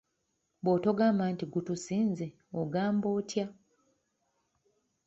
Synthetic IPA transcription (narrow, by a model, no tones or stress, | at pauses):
boːto̞ɡaːmbaːntiɡutusiːnze | oɡaːmbo̞ːtja